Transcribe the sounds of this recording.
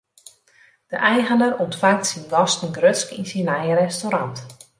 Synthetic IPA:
d̥əʔɛjɣənərɔntfaŋtsinɡɔstən̩ɡrøtskinsinɛjəɾɛstoɾant

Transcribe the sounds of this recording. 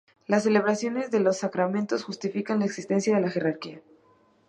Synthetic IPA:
lasːe̞le̞β̞ɾasjo̞ne̞zðe̞lo̞sːakɾamẽnt̪o̞sxust̪ifikanlaeksist̪e̞nsjaðe̞laxe̞raɾkia

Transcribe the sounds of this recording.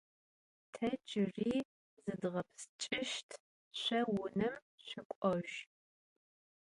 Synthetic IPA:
tʰɐt͡ʃʼɪriː | zɨdʁɐpʰst͡ʃʼɪʃtʰ | ɕʷɐwʊnɨm | ɕɪkʷʼɔʒ

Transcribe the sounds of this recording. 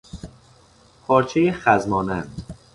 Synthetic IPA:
pʰɒːɾt͡ʃʰejeχæzmɒːnænd̪

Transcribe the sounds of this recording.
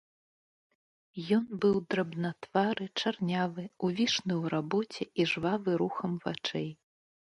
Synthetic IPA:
jɔnbɨwd̪ɾɐbnat̪v̥aɾɨt͡ʂarnʲavɨuvʲiʂnɨwɾabɔt͡sʲɛiʐvavɨɾuxɐmva̰t͡ʂɛj

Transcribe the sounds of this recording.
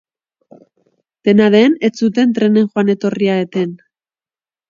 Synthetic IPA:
t̪e̞naðeːne̞t͡sut̪̬e̞nt̪ɾe̞ne̞ŋxoane̞t̪o̞riaet̪e̞n

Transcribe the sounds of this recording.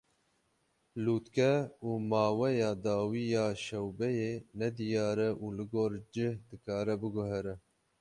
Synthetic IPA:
luːt̪kɛuːmɑːwɛjɑːd̪ɑːwiːjɑːʃɛwbɛjeːnɛd̪ɨjɑːɾɛʔuːlɨɡoːɾd͡ʒɪhd̪ɨkɑːɾɛbɨɡʊɦɛɾɛ

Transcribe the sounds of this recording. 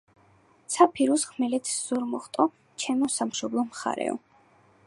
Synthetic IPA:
tsʰapʰiɾusχmɛlɛt̪ʰsz̥ɔɾmɔχt̪ʼɔ | t͡ʃʰɛmɔsamʃɔblˠɔmχa̰ɾɛ̰ɔ̰

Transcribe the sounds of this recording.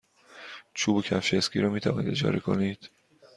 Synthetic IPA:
t͡ʃʰuːbocʰæfʃescʲʰiːɾɒːmiːt̪ʰævɒːniːd̪e̞d͡ʒɒ̰ːɾekʰoniːd̪̥

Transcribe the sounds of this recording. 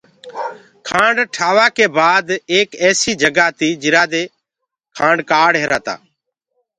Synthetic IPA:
kʰãːɳɖʈʰaːʋaːkeːbaːd̪eːkɛːsiːd͡ʒəɡaːt̪iːd͡ʒɪɾaːd̪eː | kʰãːɳɖkaːɽɦeːɾaːt̪a̰ː

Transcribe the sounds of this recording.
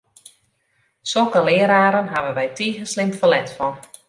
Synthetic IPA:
sokəlɪːəɾaːɾənɦavənʋɛjtʰiːɣənslɪmfəlɛtfɔn

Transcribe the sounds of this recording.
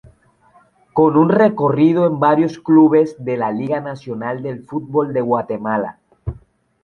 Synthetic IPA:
ko̞nunrekorið̞oembaɾjo̞skluβ̞e̞zðe̞laliɣanasjonald̪e̞lfut̪̚bo̞ld̪e̞ɣwat̪e̞mala̰

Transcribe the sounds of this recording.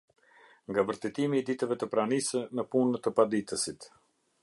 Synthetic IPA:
ŋɡavəɾt̪ɛt̪imiːd̪it̪əvɛt̪əpɾanisənəpunt̪əpad̪it̪əsit̪

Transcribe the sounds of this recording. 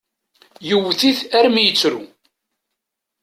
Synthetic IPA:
jəwθiθæɾmijət͡sːɾṵ

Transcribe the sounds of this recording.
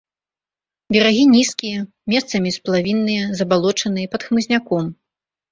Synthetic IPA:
bʲɛɾaɣʲinʲiskʲijɐ | mʲɛst̪sɐmʲisplˠavʲinːɨjɐzɐbalˠɔt͡ʂɐnɨjɐpɐt̪xmɨzʲnʲakɔm

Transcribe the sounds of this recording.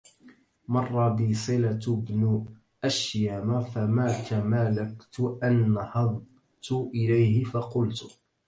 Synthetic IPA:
mɑrˤːɑbɪːsˤɨlabnʊ | ʔaʃjaːmafamaːt̪amalakt̪ʊʔanːhɑðˤ | t̪ʊʔɪlajhɪfɑqʊlt̪

